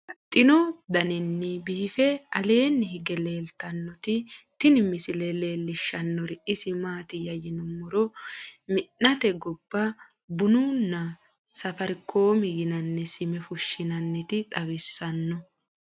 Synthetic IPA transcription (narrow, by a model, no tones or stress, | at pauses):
t̪ʼːɪnɔd̪ɐnɪnːɪbiːfɛɐ̰le̞ːnːɪhɪɡɛle̞ːlt̪ɐnːɔt̪ɪt̪ɪnɪmɪsɪlɛle̞ːlːɪʃːɐnːɔɾɪʔɪsɪmaːt̪ɪjɐjɪnʊmʊɾɔmɪnːɐt̪ɛɡɔbːɐ | bʊnuːnːɐ | sɐfɐɾko̞ːmɪɡɪnɐnːɛsɪmɛfʊʃːɪnɐnːɪt̪ɪt̪ʼɐwɪsːɐnːɔ